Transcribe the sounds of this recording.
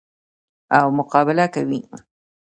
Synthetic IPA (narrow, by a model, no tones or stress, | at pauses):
awmʊqɑbɪlakawi